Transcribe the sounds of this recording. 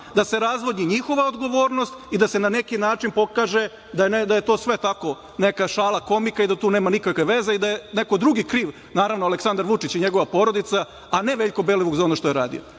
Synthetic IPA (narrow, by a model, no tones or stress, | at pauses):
d̪ase̞ɾazʋo̞d̪ɲiɲixo̞ʋaod̪ɡo̞ʋo̞ːɾnost̪id̪ase̞nane̞kinaːt͡ʃinpo̞kaːʒe̞ | d̪aned̪aje̞t̪o̞ːsʋe̞t̪ako̞ | nekaʃaːlˠako̞mikaid̪at̪uːneːmanikakʋe̞ʋe̞ze̞id̪ajene̞ko̞d̪ɾuɡikɾiːʋ | naːɾaʋnoaleksand̪aɾʋut͡ʃit͡ɕiɲe̞ɡo̞ʋapo̞ɾo̞d̪it̪saː | ne̞ʋeʎʲko̞beːleʋoɡzao̞noʃt̪o̞jeɾa̰ːd̪ḭo